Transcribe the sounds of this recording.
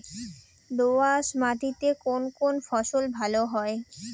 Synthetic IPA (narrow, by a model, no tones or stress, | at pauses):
d̪oasmaʈ̪it̪ekonkonfɔʃolbʱaloɦɔe